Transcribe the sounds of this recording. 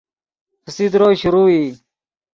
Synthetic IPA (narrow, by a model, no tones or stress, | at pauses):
pəsid̪ɾoːɕuɾuːiː